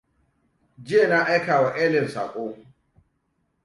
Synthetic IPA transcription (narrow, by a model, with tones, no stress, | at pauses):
d͡ʒɪ˦je˨na˦ʔa˦jkaː˨wa˨ʔɛː˦lɛ˨msa̰ː˨kʼoː˦